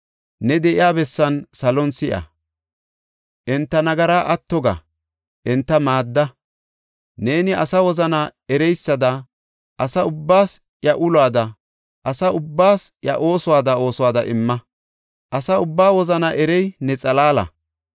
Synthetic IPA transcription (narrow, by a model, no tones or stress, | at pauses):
nɛd̪ɛʔɪjaːbɛsːɐnsɐlɔnsɪʔɐ̰ | ʔɪnt̪ːɐnɐɡɐɾaːʔɐt̪ːɔɡɐ̰ | ʔɪnt̪ːɐmaːd̪ːɐ | ne̞ːnɪʔɐsɐwɔzɐnaɛɾɛjsːɐd̪ɐ | ʔɐsɐʊbːaːs | jɐʔʊlwaːd̪ɐ | ʔɐsɐʊbːaːsjɐ̰ʔo̞ːsʊwaːd̪ɐo̞ːswaːd̪ɐ̰ʔɪmːɐ | ʔɐsɐʊbːaːwɔzɐnɐʔɛɾɛjnɛt͡sʼɐlaːlɐ̰